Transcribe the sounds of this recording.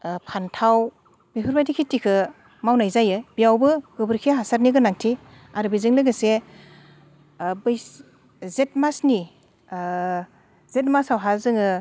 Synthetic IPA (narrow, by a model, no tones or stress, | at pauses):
pʰantʰaw | bipʰɯɾbajtikʰitikʰɯ | mawnajzajɯbijawbɯɡɯbɯɾkʰeɦasaɾniɡɯnaŋtʰi | aɾɯbijzɯŋlɯɡɯse | bɯjs | zet̚masni | z̥et̚masawɦazɯŋɯ